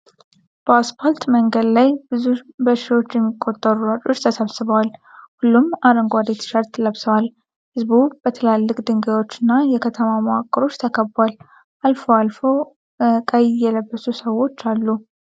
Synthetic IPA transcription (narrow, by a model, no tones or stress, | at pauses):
b̥əaspʰoɾt̪məŋɡəd̪lajbɨzubəʃio̞t͡ʃːjɛmːikʼːo̞t̪ʼːəɾuɾat͡ʃʼo̞t͡ʃːt̪ʰəsəβsɨβəwalhulːumaɾəŋɡʷad̪et̪ʃaɾt̪ləβsəwal | hɨzβubət̪ʰɨlalːɨkʼd̪ɨŋɡawo̞t͡ʃːɪnːajɛkʰət̪ʰəmamoakʼːɨɾo̞t͡ʃːt̪ʰəkʰəbːwal | ʔalfoalfo̞ | kʼəjɪjːɛləbːəsusəwo̞t͡ʃːalːu